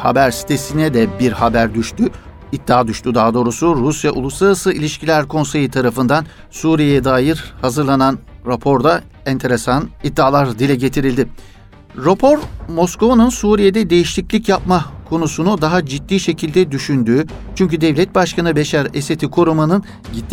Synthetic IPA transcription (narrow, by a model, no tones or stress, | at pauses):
ha̰bæɾsi̥t̪ʰe̞sinɛd̪ɛbiɾhabæɾd̪yʃt̪y | id̪ːaːd̪yʃt̪ʰyd̪aːd̪o̞ːɾusuɾusjaʔṵlˠuslˠaɾasɯilʲiʃcʰilʲæɾkʰo̞nse̞jit̪ʰaɾafɯnd̪an | suːɾijejɛd̪aːjiɾhazɯɾlˠananɾapʰo̞ɾd̪a | ɛnt̪ʰe̞ɾesanid̪ːaːlˠaɾd̪ilʲɛɟe̞t̪ʰiɾilʲd̪ɪ | ɾopʰo̞ɾmo̞sko̞vanɯnsuːɾije̞d̪ɛd̪e̞jiʃlʲiclʲicjap̚makʰo̞nusunud̪aɦad͡ʒit̪ːiːʃe̞cʰilʲd̪ɛd̪yʃynd̪yːt͡ʃʰyɲcyd̪ɛvlʲɛt̪̚baʃkanɯbeʃaɾeset̪ʰikʰoɾumanɯn | ɟit̪ː